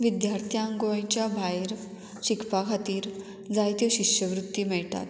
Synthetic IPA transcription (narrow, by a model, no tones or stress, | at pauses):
ʋid̪jaɾt̪ʰjaŋɡoajt͡ɕjabʱajɾ | ɕikʰpakʰat̪iːɾ | d͡zajt̪joɕiɕjəʋɾut̪ːimɛɭʈ̪a̰t̪